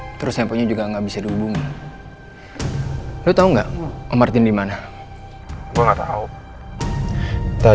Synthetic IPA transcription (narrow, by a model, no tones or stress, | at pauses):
t̪əɾʊsjampoɲad͡ʒuɡaŋabisadiubuŋa | dot̪auŋɡaʔomart̪ɪndimana | ɡuaŋɡat̪au | t̪a